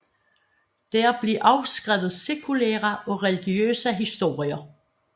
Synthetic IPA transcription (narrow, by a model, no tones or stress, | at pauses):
d̥æɐb̥liʔɑ̈ʊsɡ̥ʁɛʊð̩ˠse̝kʰulæ̰ːʁɐʔɒ̽ʁɛliɡ̥iø̰ːsəɦisd̥o̝̰ːʁiɐ